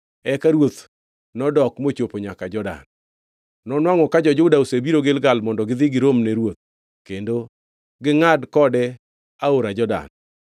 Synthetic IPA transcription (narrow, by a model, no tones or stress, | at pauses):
ɛkaɾwot̪ | nɔdɔkmot͡ʃopoɲakad͡ʒɔda̰n | nɔnwaŋɔkad͡ʒɔd͡ʒʊdaosebiɾoɡelɡalmɔndɔɡɪd̪ɪɡɪɾomneɾwot̪̚ | kendo | ɡɪŋadkɔdɛ | aoɾad͡ʒɔda̰n